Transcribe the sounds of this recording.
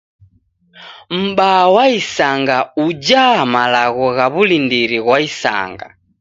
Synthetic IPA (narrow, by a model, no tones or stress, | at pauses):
m̩ɓawaisaŋɡaud͡ʒamalaɣɔɣaβulindiɾiɣwaisa̰ŋɡa̰